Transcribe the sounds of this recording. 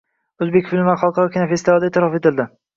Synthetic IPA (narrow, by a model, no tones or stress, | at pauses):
ɵzbe̞kʲfɪlɪvaχɑlˠqʰɑɾɒkʲɪnafest̪ɪvɒd̪aet̪ʰɪɾɒfet̪ɪld̪ɪ